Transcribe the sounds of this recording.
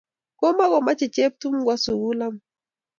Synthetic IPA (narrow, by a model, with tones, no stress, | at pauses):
ko˦ma˦ɣɔ˨ma˦t͡ʃi˨t͡ʃe˦p̚tu˦mɡwa˦su˨wu˦la˦m